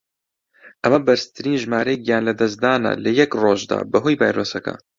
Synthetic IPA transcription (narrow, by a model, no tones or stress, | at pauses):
ʔɐmɐbɐɾst̪ʰɨɾiːnʒmaːɾɛjkjaːnlɐd̪ɐsd̪aːnɐ̰lɐjɛkroːʒd̪a̰ːbɐɦoːjbaːjɾoːsɐkɐ̰